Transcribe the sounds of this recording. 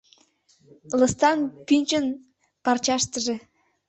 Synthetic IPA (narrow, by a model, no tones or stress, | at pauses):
lɤ̆st̪ɑnpynʲt͡ɕə̆n | pɑrt͡ɕɑʃt̪əʒĕ